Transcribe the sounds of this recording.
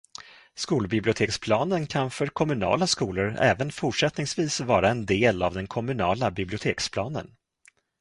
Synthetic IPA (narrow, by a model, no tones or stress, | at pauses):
skuːlbɪblʊt̪ʰeːkspʰlɑːnənkʰanfœɾkʰɔmɵnɑ̰ːlaskuːlʊɾɛ̰ːvənfʊʈʂɛt̪nɪŋsviːsvɑːɾaɛnd̪eːlavd̪ɛnkʰɔmɵnɑːlabɪblɪʊt̪ʰeːkspʰlɑːnə̰n